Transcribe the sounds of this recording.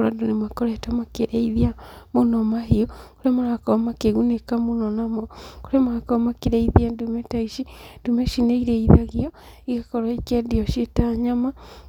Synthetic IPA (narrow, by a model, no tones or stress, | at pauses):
ɾadonemwakɔɾɛtamakeɾeiðiamonɔmaɦiokoɾemaɾakɔmakeɣunekamonɔnamɔkoɾemaakɔmakeɾeiðiandumɛtaiʃidumɛʃineiɾɛiðaɣiɔ | iɣakɔɾɔikɛdiɔʃietaɲama